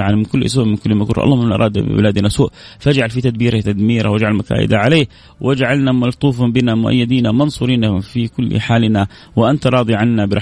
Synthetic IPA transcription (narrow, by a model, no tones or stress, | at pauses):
ʕanmɪnkʊlːs̬uːʔmɪnkʊlːmakʊɾˤʔɑ̰lˤːɑːmɪnʔɑ̰ɾˤɑːd̪bɪ̰bɪ̰laːd̪nasuːʔfʔad͡ʒʕalfit̪ad̪̚biːɾat̪ad̪miːɾa̰wʔad͡ʒʕalmaka̰ːʔɪ̰d̪aʕaleː | wʔɪd͡ʒaʕalnamɑlt̪ˤuːfɑbɪnamʊʔa̰jːɪd̪iːnamɑnsˤuɾiːnafikʊlːħaːlna | wɪʔant̪aɾˤɑːd̪ˤiʕanːabɪɾˤɑ